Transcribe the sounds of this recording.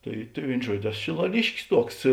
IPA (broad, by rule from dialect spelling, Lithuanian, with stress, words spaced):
ˈtɐɪ tɐɪ ˈʋʲeːɪn ˈʒuɔdʲoː ˈæːˌsoː ʃʲɪlˠɐˈlʲɪʃʲkʲɪs ˈtuɔks